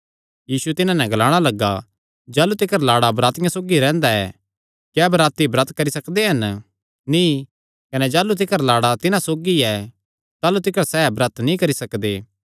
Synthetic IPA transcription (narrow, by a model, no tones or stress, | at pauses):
jiːsuɛt̪ɪnãnɛ̃ɡlaːɽ̃alɐɡːa̰ | d͡ʒaːlut̪ɪkəɾlaːɽabɾaːt̪ɪjãsoːɡiɾɛ̃ːnd̪aɛ̰ | kjɛːbɾaːt̪ibɾɐt̪kɐɾisɐkd̪eɦɐn | nĩ | kɐnɛd͡ʒaːlut̪̬ɪkəɾlaːɽat̪ɪnãsoːɡiɛ | t̪aːlut̪ɪkəɾsɛːbɾɐt̪nĩkɐɾisɐkd̪eː